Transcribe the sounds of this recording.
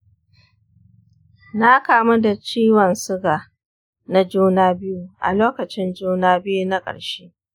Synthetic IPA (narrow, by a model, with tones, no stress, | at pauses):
na˦kaː˦mu˦da˨t͡ʃiː˦wɐ˨nsʊ˦ɡaː˨ | na˦d͡ʒuː˦naː˦bɪ˦ju˦ʔa̰˨loː˦kɐ˨t͡ʃɪ˦nd͡ʒuː˦naː˦bɪ˦ju˦na˦kʼɐ̰˨ɽʃeː˦